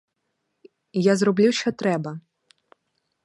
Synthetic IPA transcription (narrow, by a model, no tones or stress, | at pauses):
jazrɔblʲuʃt͡ʃɔt̪ɾɛbɐ